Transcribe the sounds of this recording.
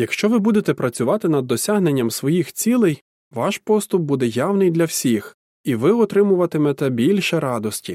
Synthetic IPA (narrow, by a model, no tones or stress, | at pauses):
jɐkʃt͡ʃɔʋɪbud̪et̪ɛpɾɐt͡sʲʊʋɑt̪ɪnɐd̪ːɔsʲaɦne̞nʲːɐmsʋɔjixt͡sʲilˠɛj | ʋɑʃpɔst̪ʊp̚bud̪ɛjɑwnɪjd̪lʲɐwsʲix | iʋɪɔt̪ɾɪmʊʋɐt̪ɪmɛt̪ɛbʲilʲʃɛɾɑd̪ɔsʲtʲi